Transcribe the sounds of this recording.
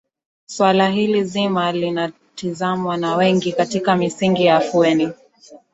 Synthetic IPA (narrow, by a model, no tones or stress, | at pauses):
swalaɦilizimalina | tizamwanawɛŋɡikatikamisiŋɡijafuɛni